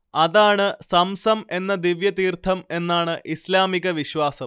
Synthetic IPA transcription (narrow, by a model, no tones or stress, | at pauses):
ɐðaːɳɨsɐmsɐme̞nːɐd̪iʋjɐt̪iːrt̪ʰːɐme̞nːaːɳɨʔislaːmiɣɐʋiɕʋaːsɐm